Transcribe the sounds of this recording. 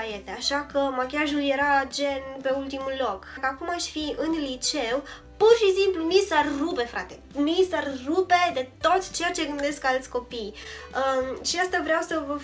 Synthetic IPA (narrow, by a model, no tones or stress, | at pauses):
ajet̪eaʃakəmakʲaʒulje̞ɾad͡ʒe̞npe̞ult̪imullo̞kkəakumaʃʲfiɨnlit͡ʃe̞w | purʃisimplumisarrupe̞fɾa̰t̪e̞misarrupe̞d̪e̞t̪o̞t̪ʲt͡ʃe̞jat͡ʃe̞ɡɨnd̪eskalt̪sʲko̞pijəʃiast̪avɾeawsəvə